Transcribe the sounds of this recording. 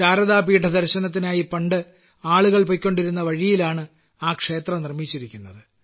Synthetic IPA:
aːɾɐðaːpiːʈɐd̪ɐɾɕɐnɐt̪̬ːinaːjipɐɳɖɨ | aːɭuɣɐɭpojkʲːo̞ɳɖiɾun̪ːɐʋɐɻijilaːɳɨ | aːkʂe̞ːt̪rɐnirmit͡ɕːiɾikʲːunːɐðɨ

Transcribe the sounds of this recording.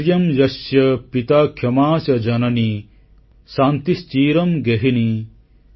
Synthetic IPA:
ɾjɐmjɐsjɐpit̪aːkʰjɐmaːsɐd͡ʒɐnɐni | saːnt̪ist͡ʃiːɾɐmɡeɦini

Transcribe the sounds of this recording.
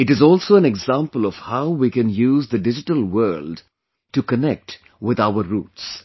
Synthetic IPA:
ɪʈɨzɔːlsoːæ̃nɛɡzãmpəlɔv̥haʊwikɨ̃njuːzd̪əɖɪd͡ʒɪʈəlwɜːlɖ | ʈukənɛk̚ʈ | wɪd̪aʊəɾuːʈs

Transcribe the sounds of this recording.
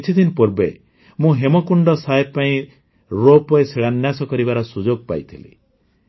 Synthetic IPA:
t͡ʃʰit̪ʰinpɔɾbe | mũɦemɔkuɳɖɔsaepaĩ | ɾopɔeseɽanjasɔkɔɾibaɾɔsud͡ʒoɡ̚pa̰jt̪ʰilḭ

